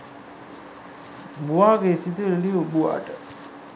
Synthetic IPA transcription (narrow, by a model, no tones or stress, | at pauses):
buaːɡeesit̪uɾeliubua̰ːʈə